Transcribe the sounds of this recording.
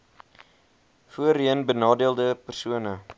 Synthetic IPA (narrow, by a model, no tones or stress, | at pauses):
fuəɾiənbənɑːdiəlˠdəpərsuənə